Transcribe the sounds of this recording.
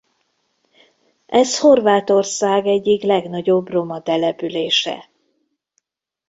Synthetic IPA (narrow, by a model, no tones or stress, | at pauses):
ʔɛsho̞rvaːt̪o̞rsaːɡɛɟːiklɛɡnɒɟo̞bro̞mɒt̪ɛlɛpyleːʃɛ̰